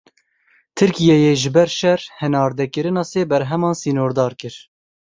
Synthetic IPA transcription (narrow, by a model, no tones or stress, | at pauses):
t̪ʰɨɾkijɛjeːʒɪbɛɾʃɛɾhɛnɑːɾd̪ɛkɨɾɨnɑːseːbɛɾɦɛmɑːnsiːnoːɾd̪ɑːɾkɨɾ